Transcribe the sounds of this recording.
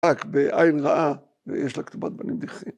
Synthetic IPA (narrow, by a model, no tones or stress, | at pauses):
akbeʔajnʁaʔa | vḛjeʃlakt̪ubat̪̚banimd̪iχim